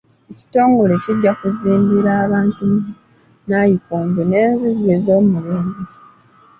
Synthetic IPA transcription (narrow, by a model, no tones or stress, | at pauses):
eci̥to̞ːŋɡo̞le̞ciɟːakuziːmbiɾaːβaːntu | najikoːmbone̞ːnzizezo̞ːmuleːmbe